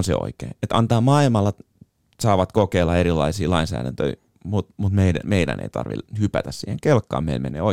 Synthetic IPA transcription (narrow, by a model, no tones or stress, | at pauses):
nsḛo̰ikḛːet̪ɑnt̪ɑːmɑilmɑlːɑ | sɑːʋɑt̪kokeːlːɑeɾilːˑɑisiːlɑinsæ̰ːɾænt̪ø̰i | mut̪mut̪meidæmeidæ̰nʔḛit̪ɑ̰rʋḭlhypæt̪æssiːheŋkelkːɑ̰ːmeilmḛnḛːo